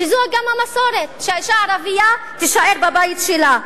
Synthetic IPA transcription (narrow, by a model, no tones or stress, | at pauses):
izuaɡamhamasoɾet̪ʃaiʃaaɾavijat̪iʃaʔeɾbabajt̪ʃela